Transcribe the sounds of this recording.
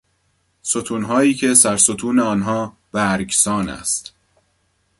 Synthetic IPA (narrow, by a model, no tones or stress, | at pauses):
so̞t̪ʰuːnɦɒːiːcʰe̞sæɾsot̪ʰuːneɒːnɦɒː | b̥æɾɡsɒːnæ̰st̪